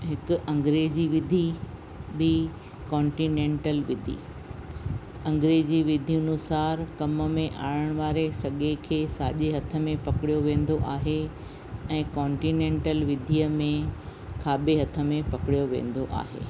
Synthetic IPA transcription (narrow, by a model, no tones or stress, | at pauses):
ɦɪkʊ̆ʔɐ̃ŋɡɾeːziʋɪd̪ʱi | bi | kɔ̃ːɳʈinẽːɳʈəlʋɪd̪ʱḭː | ɐ̃ŋɡɾeːd͡ʑiʋɪd̪ʱiʊnusaːɾkɐməmẽʔa̰ːɾəɽ̃ʋaːɾesɐɠekʰeːsaːʄeɦɐt̪ʰə̆mẽpɐkɪɽijoʋẽːnd̪oʔaːɦe | ɛ̃ːkɔ̃ːɳʈinẽːɳʈəlʋɪd̪ʱiːəmẽkʰaːbeɦɐt̪ʰə̆mẽpɐkɪɽijoʋḛ̃ːn̆d̪oʔa̰ːɦḛː